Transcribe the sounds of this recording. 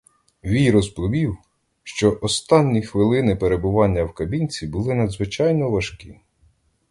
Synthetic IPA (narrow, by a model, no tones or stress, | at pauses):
ʋʲijɾɔzbʊʋʲiw | ʃt͡ʃɔʔɔst̪ɑnʲːixʋɪlˠɪnɪpeɾe̞bʊʋɑnʲːɐwkɐbʲinʲt͡sʲibʊlˠɪnɐd̪zʋɪt͡ʃɑjnɔʋɐʃkʲḭ